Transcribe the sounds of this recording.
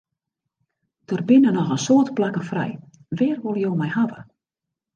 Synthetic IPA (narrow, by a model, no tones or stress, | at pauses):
d̥ərbɪnənɔxənsoətplakəfrɛ̰j | ʋɪːrʋolˠjowmɛjhavə